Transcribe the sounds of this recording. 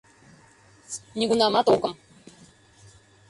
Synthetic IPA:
niɡunamat̪okəm

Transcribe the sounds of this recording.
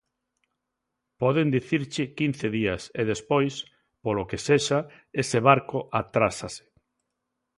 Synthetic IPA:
pɔðend̪iθiɾt͡ʃɪkin̟θeðiaseðespojs | polokeseʃa | eseβ̞aɾkoʔat̪ɾasase̥

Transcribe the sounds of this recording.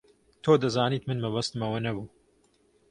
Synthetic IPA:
t̪ʰoːd̪ɐzaːniːt̪mɨnmɐβɐst̪ɨmɐwɐnɐbuː

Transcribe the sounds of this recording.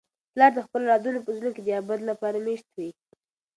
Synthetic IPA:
plɑɾd̪əxpəlolɑd̪unopəzunoked̪əjɑbad̪lapɑɾameʃt̪wi

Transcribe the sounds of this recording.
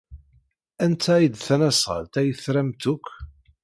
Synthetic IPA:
ænt̪ʰæid̪θænæsʁə̰lt̪æjəθɾæmt̪ʊkʷʰː

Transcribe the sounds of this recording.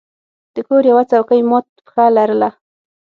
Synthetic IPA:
d̪̥əkoɾjawat͡sawkajmot̪pə̥xalaɾəla

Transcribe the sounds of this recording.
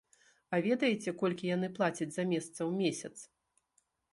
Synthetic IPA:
avʲɛd̪ɐjɛt͡sʲɛkɔlʲkʲijanɨplˠat͡sʲɐd͡zʲzɐmʲɛst̪sɐwmʲesʲɐt̪s

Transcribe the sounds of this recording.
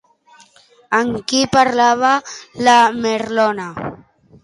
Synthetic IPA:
aŋkipaɾlaβalameɾlɔna

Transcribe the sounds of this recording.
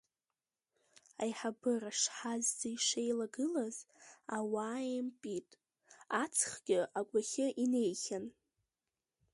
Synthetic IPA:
ajħabɨraʂħazzaiʂejlaɡɨlazawaːjɪmpʼitʼ | at͡sʰχɡʲɪʔakʷaχʲɪʔine̞jχʲan

